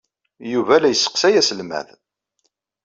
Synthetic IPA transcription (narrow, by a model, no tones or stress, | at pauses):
juvælæjəsːə̥qsæjæsəlmæ̰ð